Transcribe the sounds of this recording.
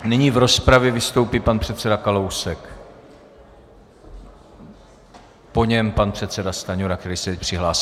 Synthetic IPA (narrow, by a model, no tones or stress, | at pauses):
nɪɲivɾo̞spɾavjɛvɪst̪o̞wpiːpanpr̝̥ɛt̪sɛdakalo̞wsɛk | po̞ɲɛmpanpr̥ɛt̪sɛdast̪aɲoɾak̚t̪ɛɾisɛpr̥ɪɦlaːsi